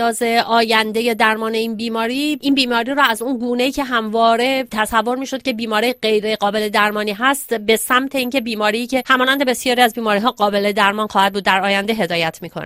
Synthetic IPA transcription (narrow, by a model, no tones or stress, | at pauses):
ɒːze̞ʔɒːjænd̪e̞je̞d̪æɾmɒːne̞iːnbiːmɒːɾiːʔiːnbiːmɒːɾiːɾɔːæzunɡuːne̞iːcʰe̞ɦæmvɒːɾe̞t̪ʰæsævːo̞ɾmiːʃo̞d̪̚cʰe̞biːmɒːɾiɢe̞jɾe̞ɣɒːbe̞le̞d̪æɾmɒːniːɦæst̪be̞sæmt̪ʰe̞iːncʰe̞biːmɒːɾiːcʰe̞hæmɒːnænd̪ebe̞sjɒːɾiæzbiːmɒːɾiːɦɒːɢɒːbe̞le̞d̪æɾmɒːnxɒːhæd̪̚buːd̪ːæɾɒːjænd̪eɦe̞d̪ɒːjæt̪ʰmiːkʰo̰n